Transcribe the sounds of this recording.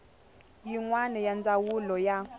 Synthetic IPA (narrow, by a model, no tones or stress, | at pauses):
jiŋwanɛjand͡zawulɔja